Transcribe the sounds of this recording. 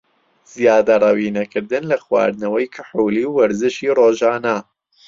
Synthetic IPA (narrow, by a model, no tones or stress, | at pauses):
z̥ijaːd̪ɐrˤɐwiːnɐkɨɾd̪ɨnlɐxwa̰ːɾd̪nɐwɐjkʰɪ̥ħuːliːwwɐɾzɨʃiːroːʒaːna